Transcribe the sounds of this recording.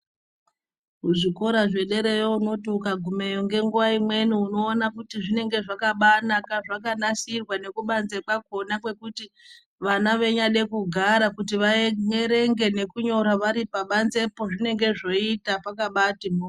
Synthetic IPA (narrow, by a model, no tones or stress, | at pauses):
ɦuʐiko̞ɾaʐe̞ɗe̞ɾejouno̞tiukaɡʱume̞joŋɡe̞ŋɡuʋaimwe̞nuuno̞ːnakutiʐine̞ŋɡe̞ʐakaɓanakaʐakanasirwane̞kuɓanze̞k͡pako̞nakwe̞kuti | ʋanaʋe̞ɲaɗe̞kuɡʱaɾakut̬iʋaeŋeɾe̞ŋɡe̞ne̞kuɲo̞ɾaʋaɾipaɓanze̞po̞ʐine̞ŋɡe̞ʐo̞itapakaɓatimo